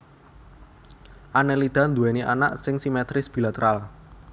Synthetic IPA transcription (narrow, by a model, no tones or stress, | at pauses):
ʔanɛlid̪̥a̤nd̪uɛniʔa̰na̰ʔsɪŋsimɛt̪ɾɪsb̥ilat̪əɾʔal